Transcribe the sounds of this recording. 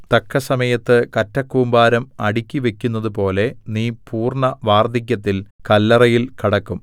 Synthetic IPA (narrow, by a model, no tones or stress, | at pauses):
t̪ɐkʰːɐsɐmɐjɐt̪ːɨkɐtːɐkːuːmbaːɾɐmɐɽikʲːiʋe̞kʲːun̪ːɐðupo̞ːle̞niːpuːrɳɐʋaːrd̪ʱik̬ʲːɐt̪̬ːilkɐlːɐrɐjilkiɽɐkːum